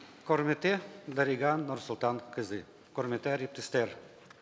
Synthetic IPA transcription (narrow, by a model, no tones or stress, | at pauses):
kormʲet̪ed̪aɾiɡɑnːorsulˠt̪ɑnkɨzɨ | kormʲet̪eɾʲip̚t̪əst̪er